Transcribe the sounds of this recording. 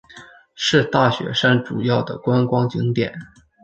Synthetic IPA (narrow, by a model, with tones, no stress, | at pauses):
ʂɻ̩˥˧t̪a˥˩ɕɥɛ̰˧˥ʂa˥nʈ͡ʂu˨˩jɑ˥˩ʊd̪ə˩kwa˥nkwɑ˥ŋt͡ɕi˧˥ŋt̪jɛ̰˨˩˦n